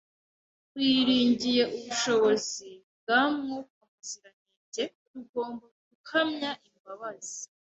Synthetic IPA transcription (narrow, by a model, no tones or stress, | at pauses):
wiːɾiːɲɟije̞ʔuβuʃo̞βo̞zibɡamŋokamaziɾaniːɟe̞ | ɾuɡo̞ːmboɡukʰamɲaʔimbaβazi̥